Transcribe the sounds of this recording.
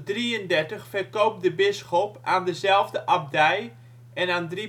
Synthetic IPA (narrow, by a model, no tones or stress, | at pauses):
driəndɛrtəχfɛrkowp̚dəbɪsχɔpaːndəzɛlˠvdəʔab̚dɛj | ʔɛnaːndri